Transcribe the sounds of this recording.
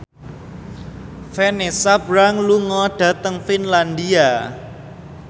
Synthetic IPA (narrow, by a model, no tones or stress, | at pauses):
fenesab̥ɾaŋluŋɔɖ̥ä̤t̪əŋfinland̪ia